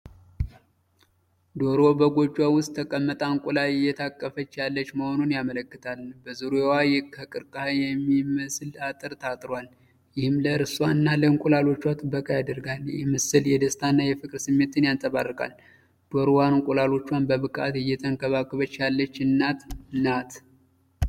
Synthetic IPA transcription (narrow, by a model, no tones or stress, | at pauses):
d̪o̞ɾo̞bəɡo̞d͡ʒːwawʊst̪ʰːəkʼəmːət̪ʼaŋkʼulalɪjːɛt̪ʰakʼːəfət͡ʃːjalːət͡ʃːməho̞nunjamələkːɨt̪ʰalbəzɨɾoewajɛkʰəkʼɨɾkʼəhajɛmːiməsɨlat̪ʼɨɾt̪ʰat̪ʼɾal | jɪhɨmləɾɨswaɨnːaləɨŋkʼulalo̞t͡ʃːwat̪ʰɨbəkʼajad̪əɾɡaljɛmɨsɨljɛd̪əst̪ʰanːajɛfɨkʼɨɾsɨmːet̪ʰːɨnjant̪ʼəβarːɨkʼa̰l | d̪̥o̞ɾwanŋkʼulalo̞t͡ʃːwanbəβɨkʼa̰t̪ɪjːɛt̪ʰʼəŋkʰʼəβakʼːɨβət͡ʃːjalːət͡ʃːɨnːat̪nat̪